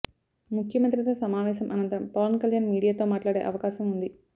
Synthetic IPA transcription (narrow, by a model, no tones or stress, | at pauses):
mukʰjɐmɐnt̪̬ɾɐt̪ɐsɐmaːʋɛːʃ̬ɐmʔɐnɐnt̪ɐmpɐːʋɐnkɐljaːnmiːɽijaːt̪o̞ːmaːʈlaːɽeːʔɐʋɐkaːʃɐmund̪i